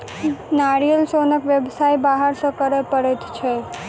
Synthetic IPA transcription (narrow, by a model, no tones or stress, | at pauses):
naɾijəlsonəkʋjebsajbaɦəɾsə̃kəɾɛpəɾɛt̪t͡ʃʰɛ